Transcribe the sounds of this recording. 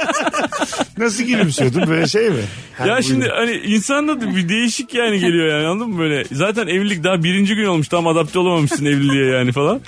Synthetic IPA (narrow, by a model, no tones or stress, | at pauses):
nas̬ɯɟiɾisøjod̪umbøjlʲɛʃejmɪ | jaʃimd̪ɪʔaniʔinsand̪ad̪ɯbid̪e̞jiʃicjaːniɟe̞lʲijojaːnialˠd̪ɯmːɯbø̞jlʲɛzaːt̪ʰænevilʲːic̚d̪aɦabiɾind͡ʒiɡɟyno̞lˠmuʃt̪ʰamad̪ap̚t̪ʰɛamamɯʃsɯnevillːʲijɛjaːnifalˠan